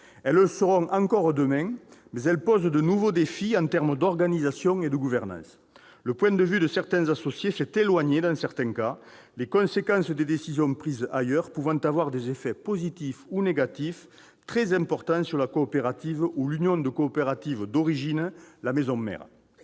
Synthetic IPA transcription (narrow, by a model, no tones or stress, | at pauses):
ɛləsəʁɔ̃ŋʔɑ̃ŋkɔʁəd̪əmɛ̃mɛzɛlpɔzd̪ənuvod̪efiɑ̃nt̪ɛʁməd̪ɔʁɡanizasjɔ̃ŋed̪əɡuvɛʁnɑ̰̃sə̥ | ləpwɛ̃nd̪əvyd̪əsɛʁt̪ɛ̃zasosjesɛt̪elwaɲed̪ɑ̃sɛʁt̪ɛ̃ka | lekɔ̃sekɑ̃səd̪ed̪esizjɔ̃pχizəʔajœʁpuvɑ̃nt̪avwaʁd̪ezefɛpozit̪ifuneɡat̪if | t̪χɛzɛ̃mpɔʁt̪ɑ̃syʁlakoːpeʁat̪ivulynjɔ̃nd̪əkoːpeʁat̪ivəd̪ɔʁiʒinəlamezɔ̃mɛ̰ʁə